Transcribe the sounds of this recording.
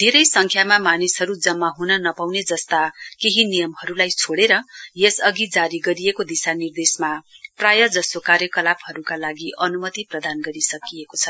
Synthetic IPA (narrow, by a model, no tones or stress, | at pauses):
d̪ʱeɾʌjsʌŋkʰjamamanisɦʌɾud͡zʌmːaɦunʌnʌpawned͡zʌst̪akeɦinijʌmɦʌɾulajt͡sʰoɽeɾʌjesʌɡid͡zaɾiɡʌɾijekod̪isanird̪esmaprajʌd͡zʌsokarjʌkʌlapʰɦʌɾukalaɡiʔʌnumʌt̪iprʌd̪anɡʌɾisʌkiekot͡sʰʌ